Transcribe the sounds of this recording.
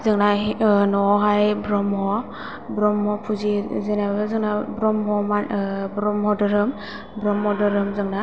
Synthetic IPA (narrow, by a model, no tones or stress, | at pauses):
zɯŋnanɔɦajbɾɔmɦɔ | bɾɔmhɔpʰuzizɯnaɯzɯŋnabɾɔmɦɔmabɾɔmhɔdɯɾɯm | bɾɔmhɔdɯɾɯmzɯŋna